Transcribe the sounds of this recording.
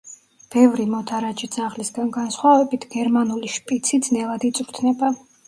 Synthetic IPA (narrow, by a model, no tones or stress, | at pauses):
b̥ɛvɾimɔd̪ʰaɾat͡ʃizaʁlisɡanɡansχwavɛbit̪ʰɡɛɾmanuliʃpʼit̪sʰid̪znɛlˠad̪it̪sʼɾt̪ʰnɛba